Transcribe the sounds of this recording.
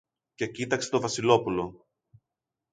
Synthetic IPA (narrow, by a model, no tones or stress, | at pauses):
ce̞cit̪ɐkse̞̥t̪o̞vɐsilo̞pulo̞